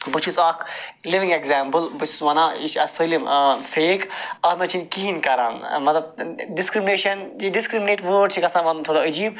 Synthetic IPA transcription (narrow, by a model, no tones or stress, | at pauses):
bət͡ʃʰusaːkʰ | liʋĩŋɡekzaːmpəlbɨt͡ʃʰu̥sʋɐnãːiʃɐsəlimfeːkaːɾmɛ̃t͡ʃʰinkiɦinkɐɾa̰ːnmɐt̪lɐb̚ɖɪskɾimɪneːʃɐnd͡ʒiɖiskɾimneːʈʋəːɖ̚t͡ʃʰikɐsãːʋɐnt̪ʰoːɽaəd͡ʒiːb